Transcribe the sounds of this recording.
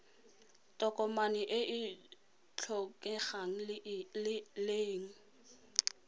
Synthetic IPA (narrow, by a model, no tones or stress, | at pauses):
tʼɔkʼɔmanɪʔɪʔɪ | t͡ɬʰɔkʼɛχaŋ̩ | leːŋ̩